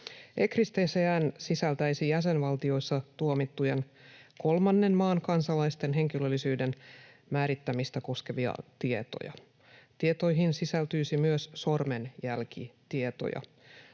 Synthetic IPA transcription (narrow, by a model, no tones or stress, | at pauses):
ekrist̪eːseænsisælt̪æjsijæse̞nʋɑlt̪io̞jsːɑt̪uomit̪ːuje̞n | ko̞lmɑnːe̞nmɑːnkɑnsɑlɑjst̪e̞nɦe̞ŋkilølːisyːde̞n | mæːɾit̪ːæmist̪æko̞ske̞ʋiɑ̰t̪ie̞t̪o̞̰jɑ̰ | t̪ie̞t̪o̞jɦinsisælt̪yjsimyøsso̞rmenjælkḭt̪ie̞t̪o̞̰jɑ̰